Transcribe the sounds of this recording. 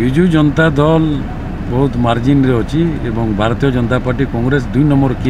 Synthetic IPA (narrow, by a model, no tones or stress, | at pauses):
bid͡ʒud͡ʒɔnɔt̪ad̪ɔl | bɔɦut̪maɾd͡ʒinɾeɔt͡ʃʰiebɔŋbʱaɾɔt̪ijɔd͡ʒɔnɔt̪apaɾʈikɔŋɡɾes̬d̪ujnɔmɔɾki